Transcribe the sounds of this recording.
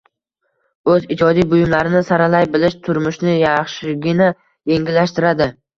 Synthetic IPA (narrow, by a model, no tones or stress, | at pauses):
ɵzɪd͡ʒɒd̪ijbʊjɪmlaɾɪnɪsaɾalajbɪlɪʃt̪ʰʊɾmʊʃnɪjɑχʃɪɡʲɪna | je̞ŋʲɪlːaʃt̪ɪɾad̪ɪ